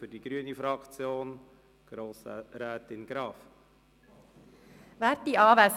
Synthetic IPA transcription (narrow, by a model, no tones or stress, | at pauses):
fʏɾdiɡɾyənifɾɑkt͡sjoːn | ɡ̥ɾoːsə̰ɾɛːtɪnɡ̥ɾɑːf | væːɾtːiɑːʋæs